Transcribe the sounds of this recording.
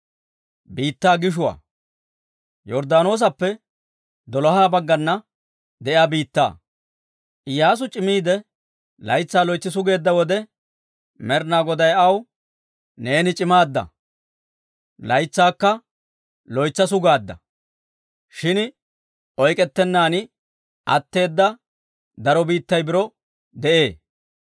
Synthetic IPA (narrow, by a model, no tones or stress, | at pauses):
biːt̪ːaːɡɪʃ̬ʊwa̰ː | jɔɾd̪aːno̞ːs̬ɐpːɛ | d̪ɔlɔɦaːbɐɡːɐnːɐ | d̪ɛʔjaːbiːt̪ːa̰ː | ʔɪjaːs̬ʊt͡ʃʼɪmiːd̪ɛ | lɐjt͡sːaːlɔjt͡sːɪs̬ʊɡe̞ːd̪ːɐwɔd̪ɛ | mɛɾnaːɡɔd̪ɐjɐw | ne̞ːnɪt͡ʃʼɪmaːd̪ːɐ̰ | lɐjt͡sːaːkːɐ | lɔjt͡sːɐs̬ʊɡaːd̪ːɐ̰ | ʃɪn | ʔɔjkʼɛt̪ːɛnːaːnɪ | ʔɐ̰t̪ːe̞ːd̪ːɐ | d̪ɐɾɔbiːt̪ːɐjbɪɾɔ | d̪ɛʔe̞ː